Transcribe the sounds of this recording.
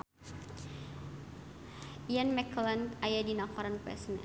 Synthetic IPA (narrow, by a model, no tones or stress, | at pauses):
janmɛklant̪ajadinakɔɾanpɛ̰snɛ̰